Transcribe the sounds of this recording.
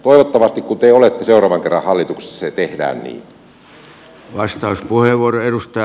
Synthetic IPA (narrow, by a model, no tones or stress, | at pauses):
t̪oˑiʋot̪ːɑʋɑst̪ikkunt̪eolet̪ːeseurɑːʋɑŋkerːɑ̰hhɑlːit̪ukse̥sːɑset̪ehdæ̰ːnnḭːn | ʋɑst̪ɑuspuheʋʋuoroeɾust̪ɑɑ